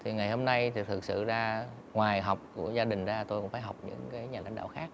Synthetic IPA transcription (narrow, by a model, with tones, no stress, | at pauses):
t̪ʰi˨˩ŋa˨˩jho˧mna˧jt̪ʰt̪ʰɨ˨˩k̚sɨ̰˧˨zaː˧ | ŋwaː˨˩jɦa˨˩wk͡p̚ku˧˩əzaː˧ɗï˨˩ŋ̟zaː˧t̪o˧jkʊ̰˧˥ŋ͡mfaː˧˩jɦa˨˩wk͡p̚ɲɨ̰˧˥ŋkaː˨˦jɲaː˨˩a̰˧˥jŋɗ̰a̰ː˧˨wxaː˦˥k̚